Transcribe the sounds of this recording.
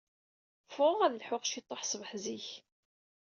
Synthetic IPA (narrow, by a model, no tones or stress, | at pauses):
fʊʁæðlħʊqʃit̪ˤːoħsˤvəħziç